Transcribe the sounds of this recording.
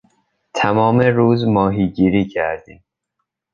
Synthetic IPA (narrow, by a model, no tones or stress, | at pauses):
t̪ʰæmɒːmeɾuːzmɒːɦiːɟiːɾiːcʰæɾd̪iːm